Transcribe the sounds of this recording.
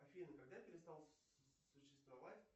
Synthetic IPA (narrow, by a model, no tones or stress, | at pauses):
ɐfʲinəkɐɡ̚d̪apʲɪɾʲɪst̪alˠ | sʊɕːɪ̥st̪vɐvatʲ